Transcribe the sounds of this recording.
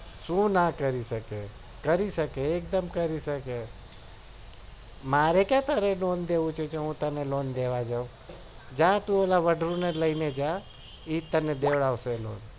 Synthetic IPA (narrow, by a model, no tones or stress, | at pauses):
ʃũnakəɾiʃəke | kəɾiʃəkeːk̚d̪əmkəɾiʃəke | maːɾekat̪əɾelond̪eʋũt͡ʃʰet͡ʃʰeɦũt̪əneloːnd̪eʋad͡ʒaũ | d͡ʒat̪ũolaʋəɖʱɾũneləined͡ʒa | iːt̪ːəned̪eʋɽaʋselo̰ːn